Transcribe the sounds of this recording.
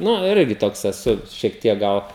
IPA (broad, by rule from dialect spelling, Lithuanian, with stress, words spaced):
ˈnʊ ˈɪrʲɡʲɪ ˈtoːks ɛˈsʊ ʃʲiɛk ˈtʲiɛk ˈɡɐlˠ